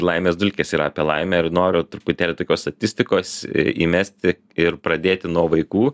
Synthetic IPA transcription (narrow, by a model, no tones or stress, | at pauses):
lˠɐɪmʲeːsd̪ʊlʲkʲeːsiːɾɐɐpʲiɛlˠɐɪmʲɛɪrnoːɾʲʊt̪ʊɾʊpʊt̪ʲeːlʲɪt̪oːkʲoːst̪ɐt̪ʲɪsʲt̪ʲɪkoːsḭːmʲæsʲt̪ʲɪ | ɪɾpɾɐd̪ʲeːt̪ʲɪnuɔʋɐɪkuː